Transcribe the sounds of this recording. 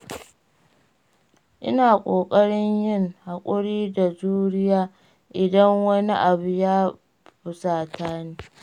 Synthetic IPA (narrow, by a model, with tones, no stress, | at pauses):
ʔɪ̰˦naː˨kʷʼoː˨kʼɐ˦ɽɪ˦ɲjɪ˦ŋha˨kʷʼʊ˦ɽiː˦da˨zuː˦ɽɪ˦jaː˦ | ʔɪ˨dɐ˦ŋwɐ˦ni˦ʔa˨buʊ˨jaː˦ | bʊ˨˦saː˨tʰaː˦neː˦